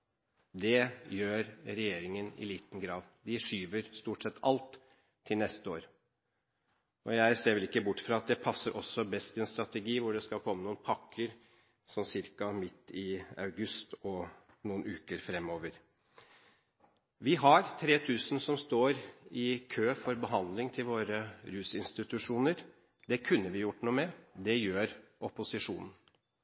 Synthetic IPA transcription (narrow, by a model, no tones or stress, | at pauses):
d̪ɛjøːɾɾɛjeːɾɪŋənɪ̰liːt̪n̩ɡɾɑːd̪d̪ɪʂyːʋəɾst̪uːʈsɛt̪ʰːɑlt̪ʰː | ɪlnɛst̪əoːɾ | ɔjæɪseːɾʋɛlɪkːəbʊʈːfɾɑːɑt̪̚d̪ɛpʰɑsːəɾʔɔsːɔbɛst̪ɪɛnst̪ɾɑt̪əɡiːʋʊɖɛskɑlkʰɔmːənuːnpʰɑkʰːəɾ | sɔmsɪɾkɑmɪt̪ːɪɑʉɡʉst̪ɔ | nuːənʉːkəɾfɾɛmːoːʋəɾ | ʋɪɦɑɾt̪ʰɾeːt̪ʰʉːsnsɔmst̪oːɾɪkʰøːfɔɾbəɦɑnd̪lɪŋt̪ʰɪlʋoːɾəɾʉːsɪnst̪ɪt̪ʉʂuːnəɾ | d̪ɛkʰʉnːəʋɪjʊʈːnuːmɛd̪ɛjøːɾʔɔpʊsɪʂṵːnn̩